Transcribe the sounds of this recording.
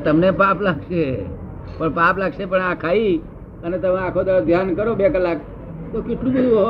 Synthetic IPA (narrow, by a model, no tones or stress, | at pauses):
t̪əmnepaplaːɡʃe | pəɳpaplaːɡʃepəɳãkʰai | ənet̪əmẽakʰod̪əɾd̪ʱjankəɾobekəlːak̚ | t̪okɪʈlubiɽo